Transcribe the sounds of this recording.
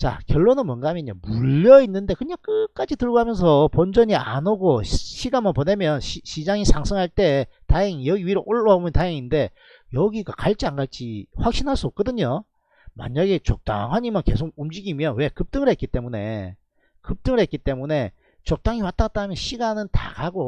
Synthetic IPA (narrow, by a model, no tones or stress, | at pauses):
t͡ɕa̰kjʌɭːonɯnmwʌnɡaɦamjʌɲa̰muʎːʌinːɯnde̞kɯɲaŋk͈ɯk͈ad͡ʑitɯɭɡoɦamjʌns̬ʰʌpʌnd͡ʑʌɲia̰noɡoɕʰiɡanmonpone̞mjʌnɕiɕʰid͡ʑaŋisʰaŋsʰɯŋɦaɭt͈e̞taeŋijʌɡiɥiɾoʔoɭːʌomʌntaeŋinde̞ | jʌɡiɡakaɭt͡ɕ͈ianɡaɭt͡ɕ͈iɸwak̚ɕ͈inɦaɭs͈uok͈ʌdɯɲo | ma̰ɲaɡe̞t͡ɕok̚t͈a̰ŋɦaɲimanke̞̰s̬ʰoɡ̚umd͡ʑiɡimjʌnwe̞kɯp̚t͈ɯŋɯɭɦe̞t̚k͈it͈e̞mune̞ | kɯp̚t͈ɯŋɯɭɦe̞t̚k͈it͈e̞mune̞ | t͡ɕʌk̚t͈aŋiwat͈at͈aɦmjʌnɕʰiɡanɯnta̰ɡaɡo